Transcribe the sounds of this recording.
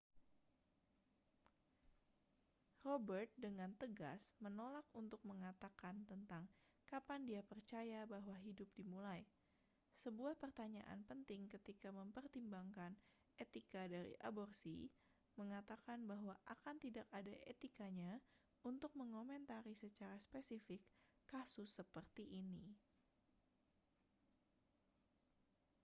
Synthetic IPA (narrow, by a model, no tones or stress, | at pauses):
robərt̪̚dəŋant̪əɡa̰smənolak̚unt̪ʊk̚məŋat̪akant̪ənt̪aŋ | kapandiapərt͡ʃajabaɦwaɦidʊp̚dimulaj | səbuahpərt̪aɲa̰ʔa̰npənt̪ɪŋkət̪ikaməmpərt̪imbaŋkan | et̪ikadaɾḭʔa̰bɔrsḭ | məŋat̪akanbaɦwaʔakant̪idakadaʔet̪ikaɲa | unt̪ʊk̚məŋomɛnt̪aɾisət͡ʃaɾaspesifɪkːasʊsːəpərt̪iʔːni